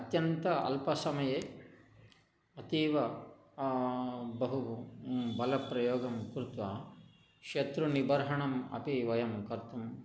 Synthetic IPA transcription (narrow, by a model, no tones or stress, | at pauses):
ɐt̪jɐnt̪ɐɐ̰lpɐsɐmɐjeː | ɐt̪iːʋɐ | bɐɦu | bɐlɐpɾɐjoːɡɐmkɾut̪ʋaː | kʃet̪ɾunibɐɾɦɐɳɐmɐ̰piʋɐjɐmkɐɾt̪um